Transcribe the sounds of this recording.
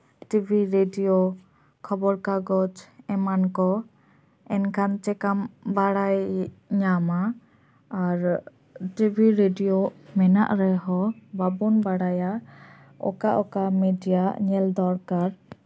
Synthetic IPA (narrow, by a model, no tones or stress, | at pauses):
ʈibʱiɾeɖijo | kʰɔbɔɾkaɡɔt͡ʃɛmankɔ | ɛnkʰant͡ʃɛkambaɽajɲamaː | ɾ | ʈibʱiɾeɖijomɛna̰ʔɾɛɦɔbabunbaɽaja | ɔ̰kaʔɔkamɛɖijaɲɛld̪ɔɾkaɾ